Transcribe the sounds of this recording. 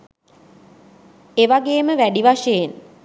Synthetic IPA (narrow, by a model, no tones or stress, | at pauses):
eʋaɡeːməʋæɖiʋaʃəjen